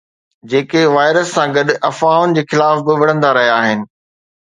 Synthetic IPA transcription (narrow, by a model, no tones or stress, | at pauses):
d͡ʑeːkeʋaːɪɾəsːãɡɐɗʔɐfaːʊnɪ̆d͡ʑeːxɪlaːfbɪʋɐɽ̤ə̃nd̪aɾɐɦijaaːɦɪnɪ̆